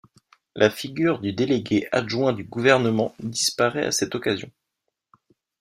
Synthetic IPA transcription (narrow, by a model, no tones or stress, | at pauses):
lʔafiɡʲyʁd̪yd̪eleɡʲeʔaʒwɛ̃d̪yɡuvɛʁnəmɑ̃d̪ispaʁɛa̰sɛt̪ɔkazjɔ̰̃